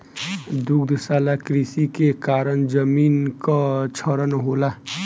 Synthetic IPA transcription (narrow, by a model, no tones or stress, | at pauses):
d̪uɡd̪ʱsalakɾisikekaɾənd͡ʒəminkət͡ʃʰəɾənɦola